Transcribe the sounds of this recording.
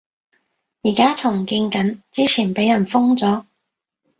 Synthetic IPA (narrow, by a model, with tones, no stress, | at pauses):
jiː˨˩kaː˥t͡sʰʊ˨˩ŋkiː˧ŋkɐ˨˥nt͡siː˥t͡sʰiː˨˩npe˨˥jɐ˨˩nfʊ˥ŋt͡sɔː˨˥